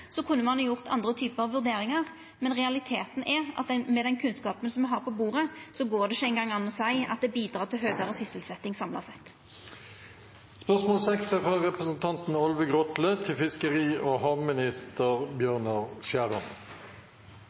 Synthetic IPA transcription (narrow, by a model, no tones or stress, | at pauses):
sɔkʰʉnːəmɑnhɑjʊʁt̪ʰɑ̰nd̪ʁət̪ʰyːpəʁɑʋʉɾd̪eːɾɪŋɑʁ | mɛnʁɛɑlɪt̪ʰeːt̪n̩ʔɛʁɑ̰t̪̚d̪ɛmɛd̪ɛnkʰʉnskɑːpənsɔmʋɛɦɑːʁpʰɔbuːʁəsɔɡoːɖ̪ɛɪʃæɪnɡɑŋːɑnːɔsæɪɑ̰t̪̚d̪ɛbiːd̪ɾɑːʁt̪ʰɪlɦøːɡəɾəsʏsəlsɛt̪ːɪŋsɑmlɑ̰sɛt̪ː | spœʁsmoːlsɛksɛfʁɑʁɛpʁəsn̩t̪ʰɑnt̪n̩ɔlʋəɡʁɔt̪lət̪ʰɪlfɪskəʁiːʔoːhɑːʋmɪnɪst̪əʁbjøːʁnəʁʃjæːʁən